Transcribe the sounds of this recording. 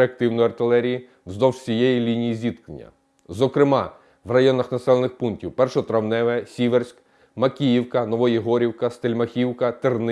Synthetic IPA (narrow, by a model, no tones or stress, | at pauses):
eɐk̚t̪ɪwnɔjɐrt̪ɪlˠɛɾʲiji | zd̪ɔwsʲijejilʲinʲijizʲid̪knenʲːɐ̰ | zɔkɾɪmɑ | ʋrɐjɔnɐxnɐsɛlˠenɪxpunktʲiwpɛrʃɔɔt̪ɾɐwnɛʋɛsʲiʋersʲk | mɐkʲijiwkɐnɔʋɔjiɦɔɾʲiwkɐst̪elʲmɐxʲiwkɐt̪ern